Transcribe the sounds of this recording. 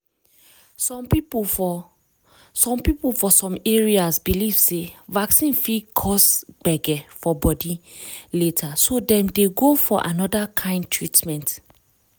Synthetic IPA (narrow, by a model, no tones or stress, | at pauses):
sɔpi | sɔ̃mpipulfɔsɔ̃meɹiasbiliv̥sevaksĩnfikʰɔsɡ͡b̥ɛɡɛfɔbɔdiletʰasodɛ̃mdeɡofɔʔa̰nɔdakʰãɪ̃nd̚tʰɹitmɛ̃nt